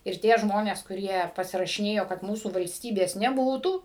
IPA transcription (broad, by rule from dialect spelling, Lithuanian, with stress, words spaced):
ɪr ˈtʲiɛ ˈʒmoːnʲeːs kʊˈrʲiɛ pɐsʲɪrɐʃʲɪˈnʲeːjoː kɐt ˈmuːsuː ʋɐlʲsʲˈtʲiːbʲeːs nʲɛˈbuːtuː